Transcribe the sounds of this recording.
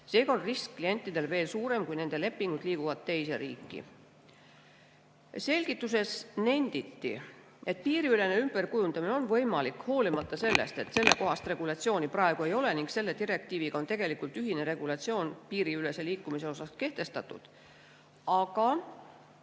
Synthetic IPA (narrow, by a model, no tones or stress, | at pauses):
se̞ːɡ̥ɑonriskːlie̞nʲt̪ːˑid̪̥e̞lve̞ːlsuːɾe̞mkujne̞nd̪e̞le̞pːiŋɡ̥ud̪̥liːɡ̥uvɑd̪̥̚t̪e̞jse̞ɾiːkːḭ | se̞lʲɡ̥it̪ːˑus̬e̞sne̞nʲd̪̥it̪ːḭ | e̞t̪̚ːˑpiːɾiyle̞ne̞ymb̥e̞rkujund̪̥ɑmineo̞nvɤjmɑlikho̞ːlimɑt̪ːɑse̞lːe̞̰st̪e̞t̪se̞lːe̞ko̞ɦɑst̪re̞ɡ̥ulɑt̪sio̞ːniprɑeɡ̥ue̞jo̞le̞niŋkse̞lːe̞t̪iɾe̞k̚t̪iːviɡ̥ɑo̞nt̪e̞ɡ̥e̞likˑult̪ˑyɦine̞ɾe̞ɡ̥ulɑt̪sio̞ːnpiːɾiyle̞se̞liːkːˑumise̞o̞sɑske̞ht̪e̞st̪ɑt̪ːˑṵd̪̥ | ɑɡɑ